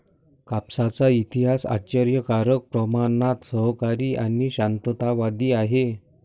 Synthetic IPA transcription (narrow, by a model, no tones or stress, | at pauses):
kapsat͡sait̪iɦasa̰t͡ɕəɾjəkaɾək̚pɾəmanat̪səɦkaɾiːʔaniɕant̪ət̪aʋad̪iːaɦe